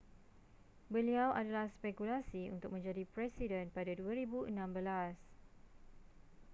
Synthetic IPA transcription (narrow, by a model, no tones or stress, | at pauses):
bəliawʔadalahspɛkulasiṵnt̪ʊk̚mə̃ɲd͡ʒadipɾɛsidə̃npadaduaɾibuʔənãmbəlas